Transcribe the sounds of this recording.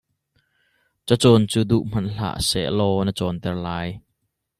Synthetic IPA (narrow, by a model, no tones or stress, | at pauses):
t͡sət͡sɔːnt͡suːd̪uʔm̥ɐnɬa̰ːʔsɛ̰ʔlɔːnət͡sɔːnt̪ɛrlaːj